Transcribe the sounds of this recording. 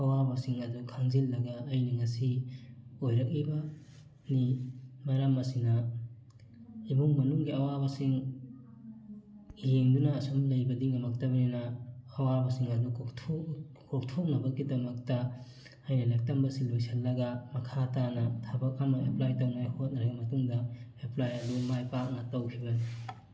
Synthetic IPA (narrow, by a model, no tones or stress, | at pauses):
hɐwabɐsiŋɐdukʰaŋzilːɐɡɐːjnɐŋɐsi | ojɾɐk̚ibɐ | nimɐɾamɐsinɐ | ibuŋmɐnuŋɡiɐwabɐsiŋ | jeŋdunɐːsomlɐjbɐdiŋɐmɐk̚tɐbɐninɐhɐwabɐsiŋadnukʰtʰo | kʰok̚tʰok̚nɐbɐɡidɐmɐk̚tɐ | ajnɐlek̚tambɐsilujsʰelːɐɡɐmɐkʰatanɐtʰabɐkamɐʔeplajtɐwnahot̚nɐɾɐɡɐmɐtuŋdɐeplajɐdumajpak̚nɐtɐwkʰibɐni